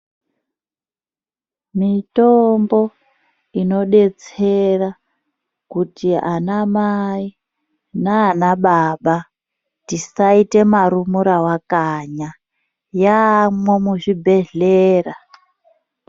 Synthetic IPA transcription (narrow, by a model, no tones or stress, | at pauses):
mitombo̞ | ino̞ɗe̞t͡sera | kutianamai | naːnaɓaɓa | tisaite̞maɾumuɾawakaɲa | jamwemuʐibʱe̞ɮeːra